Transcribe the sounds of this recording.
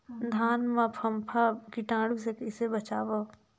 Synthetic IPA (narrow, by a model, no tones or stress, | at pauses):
d̪ʱaːnmãpʰɐmpʰakiʈãːɽusekɪsebɐt͡ʃaːʋo